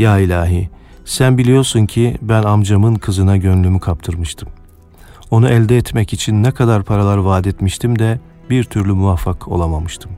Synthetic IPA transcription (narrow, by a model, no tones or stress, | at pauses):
jaːilʲaːɦi | sænbilʲijo̞ɾsuncʰibænamd͡ʒamɯnkʰɯzɯnaɟønlʲymykʰap̚t̪ʰɯɾmɯʃt̪ʰɯm | o̞nuʔɛlʲd̪ɛːt̪mɛcit͡ʃʰinːɛkʰad̪aɾpʰaɾalˠaɾvaːd̪ɛt̪miʃt̪ʰimd̪ɛ | biɾt̪ʰyɾlʲymuvafːakʰo̞̰lˠamamɯʃt̪ʰɯm